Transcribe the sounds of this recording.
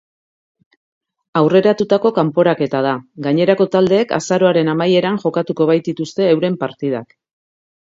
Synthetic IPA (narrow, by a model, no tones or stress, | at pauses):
awre̞ɾat̪ut̪ako̞kampo̞ɾake̞t̪að̞aɡaɲe̞ɾako̞t̪ald̪e̞ːka̰saɾo̞aɾe̞namaje̞ɾaŋʝo̞kat̪uko̞β̞ajt̪̚it̪ust̪e̞ːwɾe̞mpaɾt̪ið̞ak